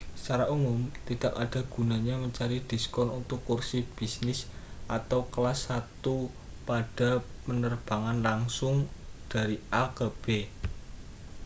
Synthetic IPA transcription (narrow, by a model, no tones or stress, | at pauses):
saɾaʔumʊmt̪id̥̪akaɖ̥a̤ɡ̥ṳnaɲaməɲt͡ʃaɾid̪̥i̤skɔnunt̪ʊkːursib̥isnɪsʔat̪awkəlasːat̪u | paɖ̥a̤pənərb̥a̤ŋanlaŋsʊŋd̥a̤ɾiakab̥e